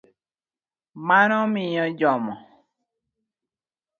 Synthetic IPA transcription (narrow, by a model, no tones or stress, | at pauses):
manɔmɪɲɔd͡ʒɔmɔ